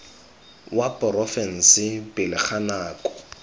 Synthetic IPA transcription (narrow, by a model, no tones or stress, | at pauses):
wapʼɔrɔfɛn̩sɪpʼɪlɪχʰanaːkʼɔ̥